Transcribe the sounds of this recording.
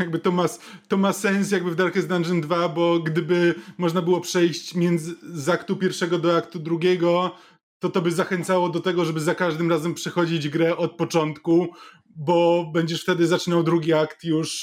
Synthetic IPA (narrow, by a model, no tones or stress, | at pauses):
jaɡbɘt̪ɔmat̪ɔmasɛnsjaɡ̚bɘvd̪aɾkɛzd̪anʐɘnd̪vabɔɡd̪ɘbɘmɔʐnabɘwɔpʂɛjɕt͡ɕmʲjɛnd̪zɘzakt̪upʲjɛɾfʂɛɡɔd̪ɔakt̪ud̪ɾuɡʲjɛɡɔ | t̪ɔt̪ɔbɘzaxɛnt̪sawɔd̪ɔt̪ɛɡɔʐɛbɘzakaʐd̪ɘmɾazɛmpʂɛxɔd͡ʑid͡ʑɡɾɛʔɔt̪̚pɔt͡ʂɔnt̪ku | bɔbɛɲd͡ʑɛʂft̪ɛd̪ɘzat͡ʂɘnawd̪ɾuɡʲiakt̪juʂ